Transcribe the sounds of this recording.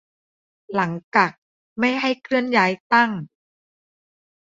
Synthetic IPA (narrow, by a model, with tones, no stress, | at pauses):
la˩˦ŋt͡ɕaː˨˩k̚ | ma˥˩jɦa˥˩jkʰɾɯ˥˩ənjaː˦˥jt̪a˥˩ŋ